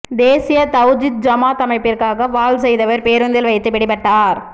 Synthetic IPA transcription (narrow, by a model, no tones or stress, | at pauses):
d̪eːsɪjɐt̪ɐʊd͡ʒɪt̪̚d͡ʒɐmaːt̪ɐmɐɪpːɪrkaːɣɐʋaːlsɛjðɐʋɐɾpeːɾɯnd̪ɪlʋɐɪt̪ːɯpɪɽɪpɐʈːaːɾ